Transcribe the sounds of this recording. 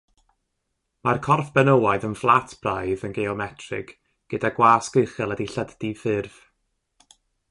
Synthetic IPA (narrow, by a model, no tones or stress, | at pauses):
markʰɔrfb̥ɛnowaɨðənflˠatʰb̥rajðənɡeɔmɛtʰrɪ̰ɡ̥ | ɡ̥ədaɡwaːskəɨχɛlˠədiɬəddifɪrv̥